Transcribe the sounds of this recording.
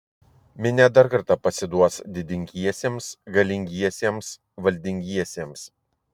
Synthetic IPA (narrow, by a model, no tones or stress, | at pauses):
mʲɪnʲɛd̪ɐɾkɐɾt̪ɑːpɐsʲɪd̪uɔsd̪ʲɪd̪ʲɪŋʲɡʲiɛsʲeːmsɡɐlʲɪŋʲɡʲiɛsʲiɛms | ʋɐlʲd̪ʲɪŋʲɡʲiɛsʲeɛms